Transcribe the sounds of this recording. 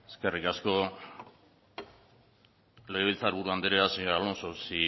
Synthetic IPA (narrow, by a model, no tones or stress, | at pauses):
eskerikasko̞ | lejɣeilt͡saɾβuɾuand̪eɾeasialonsosi